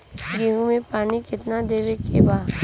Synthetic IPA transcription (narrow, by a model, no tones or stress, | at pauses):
ɡiɦũmẽpaːnikɪt̪nad̪eːʋekḛbaː